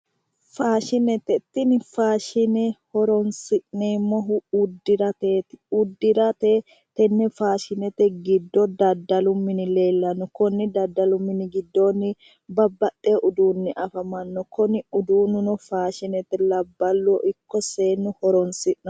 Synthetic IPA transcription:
faːʃɪnɛt̪ɛt̪ːɪnɪfaːʃɪnɛhɔɾɔnsɪʔneːmːɔɦʊʊd̪ɪɾɐt̪eːtʊd̪ːɪɾɐt̪e | t̪ɛnːɛfaːʃɪnɛt̪ɛɡɪd̪ːɔd̪ɐd̪ɐlʊmːɪnɪle̞ːlːɐnɔkɔnːɪd̪ɐd̪ːɐlʊmːɪnɪɡɪd̪ːonːɪ | bɐbːɐt̪ʼːeʔʊd̪uːnːɪʔɐfɐmɐnːɔkɔnɪʊd̪uːnʊnɔfaːʃɪnɛt̪ːɛlɐbːɐlːɔʔɪkːɔseːnːʊhɔɾɔnsɪʔnɐ

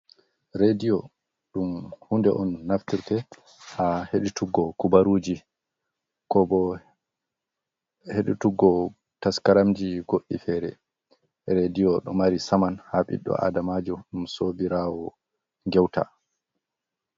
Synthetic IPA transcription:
ɾedijɔ | ɗumhundɛʔɔnːaftiɾtɛ | haheɗutuɡːɔkubaɾuːd͡ʒi | kɔbɔ | heɗutuɡːɔ | taskaɾamd͡ʒiɡoɗːifɛɾɛ̰ | ɾedijɔɗɔmaɾisamanhaɓḭɗːɔ̰a̰damaːd͡ʒuɗumsobiɾaːwɔ | ŋɡɛwta̰

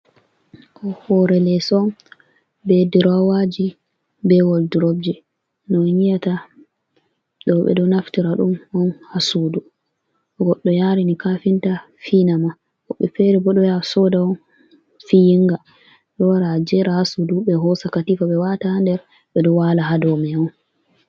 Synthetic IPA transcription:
ʔɔhɔɾɛlɛsɔn | bɛdiɾawad͡ʒi | bɛwɔldiɾɔb̚d͡ʒi | nɔnijata | ɗɔɓɛ̰dɔnaftiɾaɗumɔnhasudu | ɡɔɗːɔjaɾinikafinta | finama | kɔɓɛfɛɾibɔɗɔjasɔdaɔn | fijiŋɡa | ɗɔwaɾad͡ʒɛɾahasudubɛɦɔsakatifaɓɛwatahandɛɾ | ɓɛdɔwalaɦadɔmɛwɔn

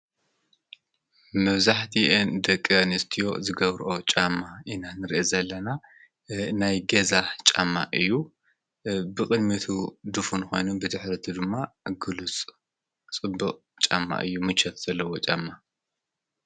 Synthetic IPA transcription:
mɐβzaħt̪ʰiʔend̪ɐkʼːɐnɨst̪ʰijo̞̰zɨɡɐβɾʔo̞t͡ʃʼamːaʔinanɨɾiʔezɐlːɐna | najɡɐzat͡ʃʼa̰mːa̰ʔɨjːu | bɨkʼɨd̪mit̪ʰud̪ufunxo̞jnubɨd̪ɨħɾɐt̪ʰid̪ɨmːaɡɨlut͡sʼ | t͡sʼɨbːɨqʼ | t͡ʃʼa̰mːa̰ʔɨjːumɨt͡ʃʰɐt̪z̥ɐlːɐwo̞t͡ʃʼamːa

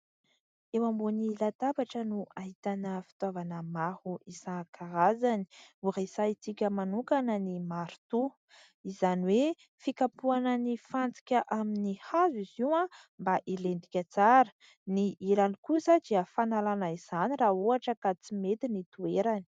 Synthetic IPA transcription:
ewambunilat̪abaʈ͡ʂənuʔaɦit̪anəfi̥t̪avanəmahuʔizakʰaɾazani̥urasait͡sikʲəmanukanənimaɾut̪u | izaniwe | fikapuanənifant͡si̥kʲəʔaminihaziziwã | mbaʔilend̪ikʲət͡saɾə̥ | niilanikusəd̪iəfanalanaiz̥aniraɦuaʈ͡ʂəkat͡simet̪init̪ueɾani̥

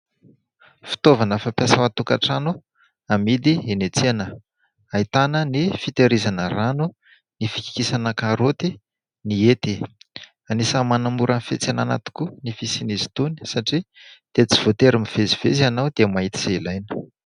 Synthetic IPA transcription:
fi̥t̪ovanəfapjasəwat̪uka̰ʈ͡ʂanu | amid̪ienet͡sianə | ait̪anənifit̪eɾizanəranu | nifi̥ki̥kisanəkaɾot̪i | niet̪i | anisəmanamuɾʔanfḛt͡sanana̰t̪i̥kunifisinizi̥t̪uni̥saʈ͡ʂid̪̥et͡si̥v̥ot̪eɾimiv̥eziv̥ezianawd̪̥emaɦit̪i̥z̥ailajnə̥

